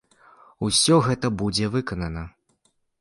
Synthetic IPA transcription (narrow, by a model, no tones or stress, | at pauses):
usʲɔɣɛt̪ɐbud͡zʲɛvɨkɐnɐnɐ